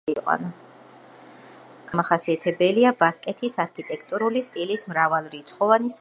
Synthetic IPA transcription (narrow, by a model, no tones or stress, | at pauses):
iqʼwa̰na | ɡ̥amaχasiat̪ʰɛbɛliabaskʼɛt̪ʰisaɾkʰit̪ʼɛkʰt̪ʼuɾulist̪ʼilismɾavalˠɾit̪sʰχɔvanis